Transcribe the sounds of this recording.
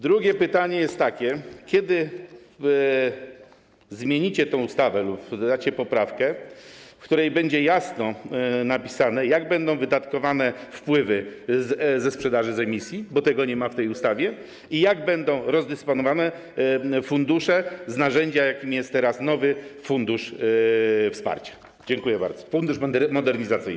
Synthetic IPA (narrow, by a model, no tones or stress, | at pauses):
d̪ɾuɡʲɛpɘt̪aɲɛjɛst̪ːakʲɛkʲɛd̪ɘ | zmʲjeɲit͡ɕɛt̪ɛ̃w̃ust̪avɛlupd̪at͡ɕɛpɔpɾafkɛfkt̪uɾɛjbɛɲd͡ʑɛjasnɔnapʲi̥sanɛjaɡbɛnd̪ɔ̃w̃vɘd̪at̪kɔvanɛfpwɘvɘzzɛspʂɛd̪aʐɘzɛmʲisʲjibɔt̪ɛɡɔɲɛmaft̪ɛjust̪avʲjɛ | ijaɡbɛnd̪ɔ̃w̃ɾɔzd̪ɛspɔnɔvanɛ | fund̪uʂɛznaʐɛɲd͡ʑajakʲimʲijɛst̪ːɛɾasnɔvɘfund̪uʂ | fspa̰ɾt͡ɕḁ | d͡ʑɛŋkujɛba̰ɾd̪zɔ̥fund̪uʂmd̪mɔd̪ɛɾɲizat̪sɘ̰jn